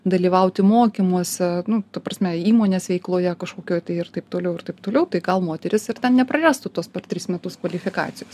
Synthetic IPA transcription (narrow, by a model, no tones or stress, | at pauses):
d̪ɐlʲiːʋɐʊt̪ʲɪmoːkʲimuɔsʲɛnʊt̪ɐpɾɐsʲmʲɛiːmoːnʲeːsʋʲɛɪklˠoːjɛkɐʃkoːkʲoːjt̪ɐɪɪrt̪ɐɪpt̪oːlʲɛʊɪrɾt̪ɐɪpt̪oːlʲɛʊt̪ɐɪɡɐlˠmoːt̪ʲɛɾʲɪsɪrt̪ʲɛnnʲɛpɾɐɾʲæːst̪ʊt̪uɔspʲɛrt̪ʲɾʲiːsmʲɛt̪ʊskʋɐlʲɪfʲɪkɑ̰ːt̪ʲɪjoːs